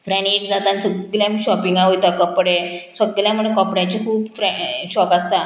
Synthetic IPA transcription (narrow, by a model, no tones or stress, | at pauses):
fɾãniekd͡zat̪ansəɡljãmiːɕɔpiŋɡaɦojt̪akɔpɽesəɡljãməɽekɔpɽjãt͡ɕikʰuːpfɾɛɕɔkast̪a